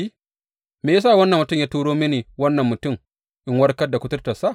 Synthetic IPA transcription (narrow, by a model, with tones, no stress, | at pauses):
i˦ | meː˨jaː˦s̬a˦˨wɐ˦nːɐ˨mːʊ˨tʊ˦mjaː˦tu˦ɽoː˦mi˦neː˨wɐ˦nːɐ˨mːʊ˨tʊ˦˨m | ʔɪ˦ŋwɐ˦ɽkɐ˦da˨kʷʊ˦tʊ˦rta˨sa˦˨